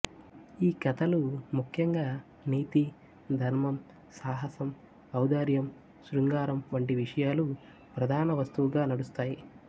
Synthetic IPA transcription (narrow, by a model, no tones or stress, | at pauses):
iːkɐt̪ɐlumukʰjɐŋɡaː | niːt̪i | d̪ʱɐɾmɐm | saːɦɐsɐm | ɐwd̪aːɾjɐm | suɾuŋɡaːɾɐmʋɐɳʈiʋiʂɐjaːlu | pɾɐd̪ʱaːnɐʋɐst̪uʋuɡaːnɐɽust̪aːji